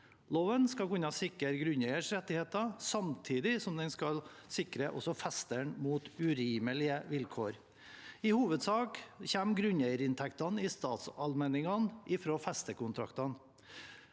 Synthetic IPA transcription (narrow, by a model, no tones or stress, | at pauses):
loːʋənskɑkʉnːɑsɪkəɾɡɾʉnjɛɪəʂɾɛt̪ːɪheːt̪ɑsɑmt̪ʰiːd̪ɪsɔmd̪ɛnskɑlsɪkɾəʔɔ̰sɔfɛst̪əɳmuːt̪ʉɾiːməlɪəʋɪlkʰoːɾ | ɪhuːʋəd̪sɑːkçɛmɡɾʉnjɛɪəɾɪnt̪ʰɛkt̪ɑnɪst̪ɑːt̪sɑlmɛnɪŋɑnʔɪfɾoːfɛst̪əkʊnt̪ʰɾɑ̰kt̪ɑn